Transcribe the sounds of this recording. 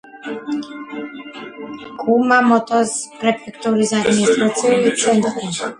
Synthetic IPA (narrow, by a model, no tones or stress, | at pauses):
ɡʼumamɔt̪ʼɔspɾɛpʰɛkʰt̪ʼuɾisad̪miɛst̪ʼɾat̪sʰiɔvit̪sʰɛnt̪ʼqʼɛn